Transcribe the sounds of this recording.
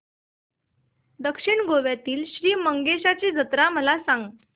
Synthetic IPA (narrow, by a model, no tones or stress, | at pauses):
d̪əkʂiɳɡoʋjat̪iːlɕɾiːməŋɡeɕat͡ɕiːd͡zət̪ɾaməlasaŋɡ